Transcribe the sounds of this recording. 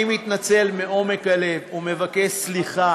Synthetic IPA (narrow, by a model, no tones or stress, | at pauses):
imit̪nat͡se̞lmeo̞me̞kale̞vume̞vake̞ʃsliχa